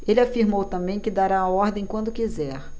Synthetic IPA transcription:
elɪafiɾmowt̪ɐ̃mbẽj̃kɪd̪aɾaːɔɾd̪ẽj̃kwɐ̃nd̪ʊkizɛɾ

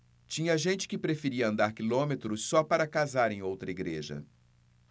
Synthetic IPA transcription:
t͡ʃĩɲɐʒẽnt͡ʃɪ̥kɪpɾefeɾiɐɐ̃nd̪aɾkilõmet̪ɾʊsɔpaɾɐkazaɾẽj̃owt̪ɾɐiɡɾeʒɐ̰

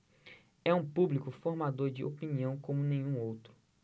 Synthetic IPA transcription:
ɛũpublikʊfoɾmad̪oɾd͡ʒɪʔopiniɐ̃w̃kõmʊnẽj̃ũowt̪ɾʊ

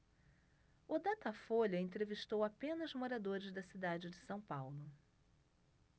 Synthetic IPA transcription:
ʊd̪at̪ɐfoʎɐẽnt̪ɾeviʃt̪owapẽnɐzmoɾad̪oɾɪzd̪ɐsid̪ad͡ʒɪd͡ʒɪsɐ̃w̃pawlʊ

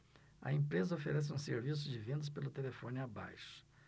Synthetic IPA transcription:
ɐ̰ẽmpɾezɐofeɾɛs̬ɪũseɾvis̬ʊd͡ʒɪvẽnd̪ɐspelʊt̪elefõnɪaba̰jʃʊ̥

